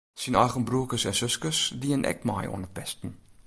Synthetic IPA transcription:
sinɑjχənbruəkəsɛnsɵskəsdiənʔɛ̰kmɑ̰ːjɔ̰nət̚bɛstən

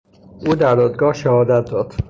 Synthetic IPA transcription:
ʔuːd̪æɾd̪ɒːd̪ɡɒːhʃæhɒːd̪æt̪̚d̪ɒːd̪̥

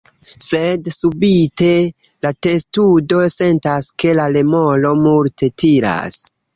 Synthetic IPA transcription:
se̞dsubite̞ | late̞studo̞se̞ntaske̞lale̞mo̞lo̞multʰe̞tiɾa̰s

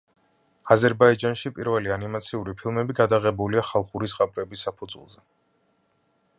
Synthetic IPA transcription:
azɛɾbaid͡ʒanʃipʼiɾvɛlianimat̪sʰiuɾipʰilˠmɛbiɡad̪aʁɛbuliaχalˠχuɾisqʼapʼɾɛbisːapʰud̪zwɛ̰lˠzɛ

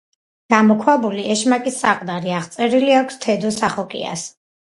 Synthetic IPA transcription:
ɡ̥amɔkʰwabuliʔɛʃmakʼisːaqʼd̪aɾiaʁt̪sʼɛɾiliakʷʰst̪ʰɛd̪ɔsaχɔkʼḭa̰s

